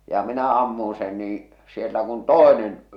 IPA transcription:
jɑ minæ ɑmːun sen niː sielːæ kun toˑenen

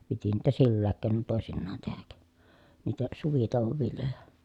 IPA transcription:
piti niːtæ silːæːk keːnon toˑesinːɑːn tehæk niːtæ suʋitoˑu̞ʋoʋ ʋiljojɑ

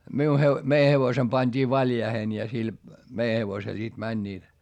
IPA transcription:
miu he mei heʋosem pɑnʲd̥iː ʋɑljɑihen jɑ sil mei heʋosel sit mænʲːiːt

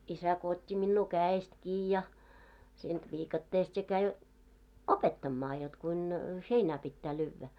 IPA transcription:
isæ ko otʲːi minːuː kæːest kiː jɑ siːnt ʋiːkɑtːeːst jɑ kæi opetːɑmːɑː jot kuin heinæ pitːæː lyːʋːæ

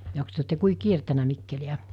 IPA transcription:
joks tyø otːe kui kiertænæ mikːeliæ

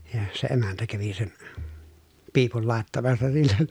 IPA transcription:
jɑ se emæntæ kæʋi sen piːpul lɑˑetːɑmɑsːɑ silːen̞

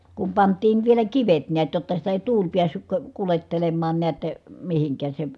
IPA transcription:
kum pɑntˑiːn ʋielæ kiʋet niæt jotːɑ sitæ eˑi̯ tuːl piæsːyk ko kuletːelemːɑːn neæt mihiŋkˑæːs se

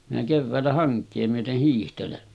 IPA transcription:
minæ keʋːæːlːæ hɑŋkˑeː myøteh hiːhtelen

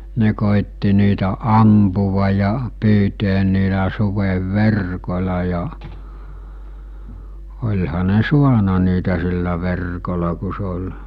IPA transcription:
ne koˑitːi niːtæ ɑmpuʋɑ jɑ pyːteːn niːlæ suʋeʋːerkolʲɑ jɑ olʲhɑ ne suɑnɑ niːtæ silːæ ʋerkolɑ ku se olʲ

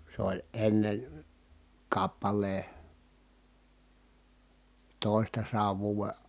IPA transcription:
se olʲ enːen̞ kɑpːɑlˑeː toˑi̯stɑsɑːʋ ʋuːʋe

